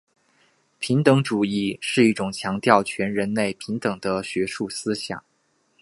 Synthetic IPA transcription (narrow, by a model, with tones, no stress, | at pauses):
pʰi˧˥ŋt̪ɤ˧˥ŋʈ͡ʂu˨˩i˥˧ʂɻ̩˥˧i˥˩ʈ͡ʂʊ˨˩ŋt͡ɕʰjɑ˧˥ŋt̪jɑ˥˩ʊt͡ɕʰɥɛ˧˥nɻə˧˥nle˥˩ɪpʰi˧˥ŋt̪ɤ˨˩ŋd̪ə˦ɕɥɛ˧˥ʂu˥˩sɹ̩˥ɕjɑ̰˨˩˦ŋ